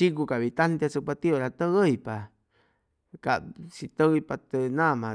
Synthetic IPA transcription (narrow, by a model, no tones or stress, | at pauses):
ik̬ukaβit̪ant̪asəpat̪ioɾat̪əɣəjpa | ka̰ʔsit̪əɣpat̪enãmã